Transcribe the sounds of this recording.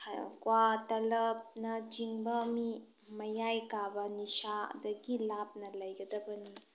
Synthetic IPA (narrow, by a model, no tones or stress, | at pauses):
kwatɐlɐp̚nɐd͡ʒiŋbɐːmi | mɐjajkabɐnisadɐɡilap̚nɐlɐjɡɐdɐbɐni